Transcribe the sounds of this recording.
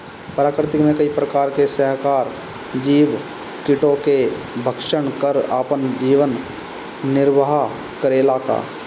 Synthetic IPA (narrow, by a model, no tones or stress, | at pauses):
pɾaːkɾɪt̪ɪkmẽkəipɾəkaːɾkesəɦkaːɾ | d͡ʒiːʋ | kɪʈoke | bʱəkʃənkəɾaːpənd͡ʒiːʋənː | ɪɾʋaɦa | kəɾeːlaka̰ː